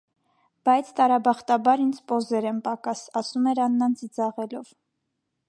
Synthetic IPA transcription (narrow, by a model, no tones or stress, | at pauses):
b̥ɑjt͡sʰt̪ɑɾɑbɑχt̪ɑbɑɾind͡zʰpɔzɛɾɛnpɑkɑsɑsumɛɾɑnːɑnt͡sid͡zɑʁɛlɔv